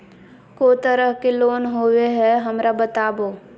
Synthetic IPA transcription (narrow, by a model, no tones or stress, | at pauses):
koːt̪əɾəɦkeloːnɦoːweɦɛɦɐmɾabət̪aːboː